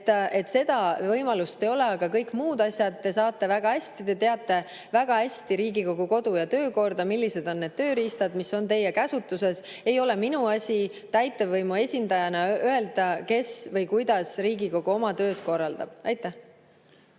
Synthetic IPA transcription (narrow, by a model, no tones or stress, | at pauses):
e̞t̪se̞d̪̥ɑvɤjmɑlust̪e̞jo̞le̞ɑɡ̥ɑkɤjkmuːd̪̥ɑsʲjɑd̪̚t̪ːe̞sɑːt̪ːˑe̞væɡ̥ɑhæsʲt̪id̪e̞t̪e̞ɑt̪ˑːe̞ | væɡ̥ɑhæsʲt̪iɾiːɡiko̞ɡ̥uko̞d̪̥ujɑt̪ø̞ːko̞rd̪ɑmilʲːise̞d̪o̞nːe̞d̪̥̚t̪ø̞ːɾiːst̪ɑd̪̥misːo̞nt̪e̞jːe̞kæsut̪ːˑuse̞s | e̞jo̞le̞minuɑsʲi | t̪æjt̪ːˑe̞vɤjmue̞sʲind̪ɑjɑnɑøe̞ld̪̥ɑke̞svɤjkujd̪̥ɑsriːɡiko̞ɡ̥uo̞mɑt̪ø̞ːd̪̥ko̞rːɑld̪̥ɑ̰b̥̚ɑjt̪ːˑæh